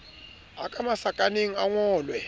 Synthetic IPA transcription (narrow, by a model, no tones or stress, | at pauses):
akʼamasakʼaneŋ̩aŋɔːlwɛ